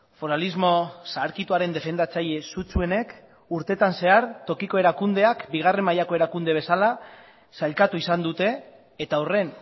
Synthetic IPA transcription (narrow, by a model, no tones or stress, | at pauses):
fo̞ɾalizmo̞saːɾkit̪uaɾe̞nd̪e̞fe̞nd̪at͡saʎe̞sut͡sue̞ne̞k | uɾt̪e̞t̪anse̞aɾt̪o̞kiko̞e̞ɾakund̪e̞akbiɣ̞are̞mːajako̞e̞ɾakund̪e̞β̞e̞sala | saʎkat̪uisand̪ut̪e̞ː | t̪aore̞n